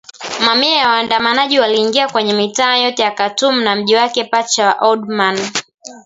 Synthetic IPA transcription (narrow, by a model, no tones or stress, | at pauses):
mamiajawaːndamanaʄiwaliːŋɡiakwɛɲɛmitaːjɔtɛjakatum̩nam̩ʄiwakɛpat͡ʃawaʔɔdman